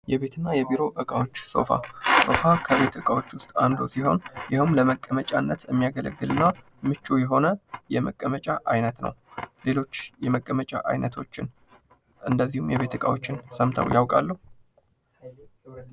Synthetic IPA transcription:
jɛβe̞t̪ʰɨnːajɛbiɾo̞ʔəkʼawo̞t͡ʃːso̞̰fa̰so̞̰fakʰəβe̞t̪ʰəkʼawo̞t͡ʃːwʊst̪ʼand̪osiɦo̞̰njɪhɨmləməkʼːəmət͡ʃʼanːət̪jɛmːijaɡələɡːɨlɨnːa | mɨt͡ʃːujɛɦo̞nəjɛməkʼːəmət͡ʃʼaʔajnət̪nə̰wle̞lo̞t͡ʃːjɛməkʼːəmət͡ʃʼa̰ʔa̰jnət̪ʰo̞t͡ʃːɪn | ʔɨnd̪əzːihumjɛβe̞t̪ʰəkʼa̰wo̞t͡ʃːɪnsəmt̪ʰə̰wjawkʼa̰lːəhu

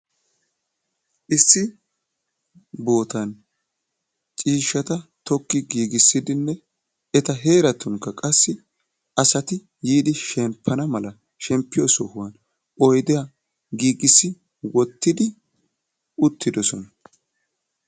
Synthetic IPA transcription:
ʔɪsːɪ | bo̞ːt̪ɐn | t͡ʃʼiːʃːɐt̪ɐt̪ɔkːɪɡiːɡɪsːɪd̪ɪnːɛ | ɛt̪ɐɦe̞ːɾɐt̪ʊŋkːɐkʼɐsːɪ | ɐsɐt̪ɪ | jiːd̪ɪʃɛmpʰːɐnɐmɐlɐ | ʃɛmpːɪjɔsɔhʊwɐn | ɔjd̪ɛja | ɡiːɡɪsːɪ | wɔt̪ːɪd̪ɪ | ʊt̪ʰːɪd̪ɔsɔnɐ

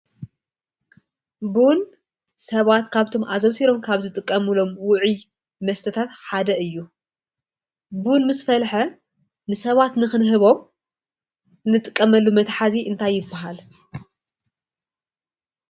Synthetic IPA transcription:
bun | sɐβat̪kʰaβt̪ʰo̞mʔazɐwt̪ʰiɾo̞mkʰaβzɨt̪ʼɨkʼːɐmulo̞mwʊʕi | mɐst̪ʰɐt̪ʰat̪ħad̪ɐɨjːu | bunmɨsfɐlħɐ | nɨsɐβat̪nɨxɨnɦɨβo̞m | nɨt̪ʼɨkʼːɐmɐlːumɐt̪ħaziʔɨnt̪ʰajːɪbːɐɦal

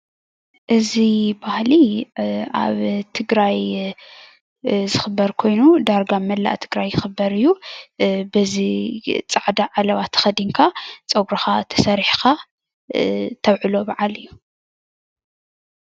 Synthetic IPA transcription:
ʔɨzibahli | a̰βt̪ʰɨɡɾaj | zɨxɨbːɐɾkʰo̞jnud̪aɾɡamɐlːa̰ʔt̪ʰɨɡɾajːɨxɨbːɐɾɨjːu | bɐzit͡sʼaʕd̪aʕalɐβat̪ʰɐ̥xɐd̪iŋkʰat͡sʼɐɡɾɐxat̪ʰɐ̥sɐɾħxa | t̪ʰɐβʕɨlo̞baʕalɨjːu

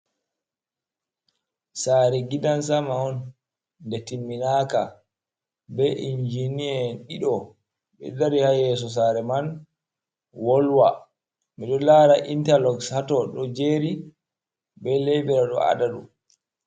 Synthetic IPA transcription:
saːɾɛɡidansamaɔn | dɛtimːinaka | bɛʔind͡ʒiniɛɗiɗɔ | ɓɛ̰daɾihajɛs̬ɔs̬aɾɛman | wɔlwa | miɗɔlaɾaʔintalɔɡshatɔɗɔd͡ʒeɾi | bɛlejbɛɾaɗɔ̰a̰daɗṵ

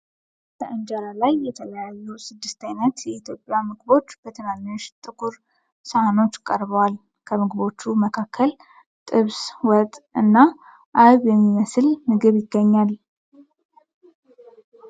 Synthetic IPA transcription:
b̥əʔɨnd͡ʒalalajːɛt̪ʰələjajːusɨd̪ːɨst̪ajnət̪jɛit̪ʰjo̞pʼːjamɨɡɨbo̞t͡ʃːb̥ət̪ʰɨnamoʃt̪ʼɨkʰʼuɾ | səhano̞t͡ʃːkʼəɾβəwal | kʰəmɨɡɨβo̞t͡ʃːuməkʰakːəl | t̪ʼɨβswɔt̪ʼɨnːa | ʔaβjɛmːiməsɨlmɨɡɨβjɪɡːəɲːal

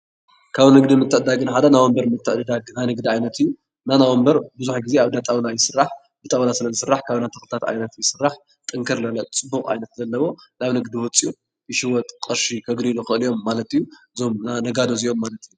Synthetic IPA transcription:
kʰaβnɨɡd̪imɨt̪ːɨʕɨd̪aɡɨnħad̪anawombɐɾmɨt̪ʰːɨʕɨd̪aɡnajnɨɡd̪iʕajnɐt̪ʰɨjːu | nanawombɐɾbɨzuħɡizeaβd̪at̪ʼawlajɪsɨrːaħ | bɨt̪ʼawnasɨlɐzɨsɨrːaħkʰaβnat̪ʰɐxlɨt̪ʰat̪ʕa̰jnɐt̪jɪsɨrːaħ | t̪ʼɨŋkʰɐɾlɐlɐt͡sʼɨbːukʼa̰jnɐt̪zɐlːɐβo̞naβnɨɡd̪iwɔt͡sʼiu | ʔɨʃiwɔt̪ʼkʼɐɾʃikʰɐɡɾiluxɨʔɨlijo̞mːalɐt̪ijːu | zo̞mnanɐɡad̪ozio̞mːalɐt̪ijːu

